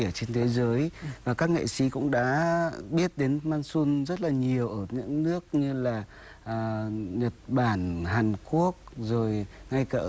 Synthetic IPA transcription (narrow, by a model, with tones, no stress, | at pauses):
i˧˩ət͡ɕe˧nt̪ʰe˨˦zəː˨˦jvaː˨˩kaː˦˥k̚ŋḭ˧˨sḭ˨˦kʊ̰˧˥ŋ͡mɗa̰ː˧˥ɓi˦˥ət̚ɗe˨˦nmaː˧nsu˧nzə˦˥t̚laː˨˩ɲi˨˩əwʔəː˧˩ɲɨ̰˧˥ŋnɨ˦˥ək̚ɲɨ˧laː˨˩ | ʔːɲə˨˩t̚ɓaː˧˩nɦaː˨˩nku˦˥ək̚zo˨˩jŋa˧jka̰ː˧˩